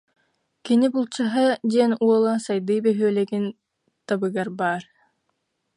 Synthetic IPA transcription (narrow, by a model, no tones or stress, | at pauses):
kinibulˠt͡ɕaɦad̪iɛnuɔlˠasajd̪ɯjbɛɦyœlɛɡin | t̪abɯɡaɾbaːɾ